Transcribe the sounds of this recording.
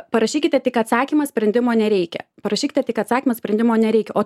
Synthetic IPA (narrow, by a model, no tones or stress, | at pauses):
pɐɾɐʃʲiːkʲɪt̪ʲɛt̪ʲɪkɐt̪sɑːkʲimɐsʲpʲɾʲɛnʲd̪ʲɪmoːnʲɛɾʲɛɪkʲɛ̰pɐɾɐʃʲiːkʲɪt̪ʲɛt̪ʲɪkɐt̪sɑːkʲimɐsʲpʲɾʲɛnd̪ʲɪmoːnʲɛɾʲɛɪkʲɛʔoː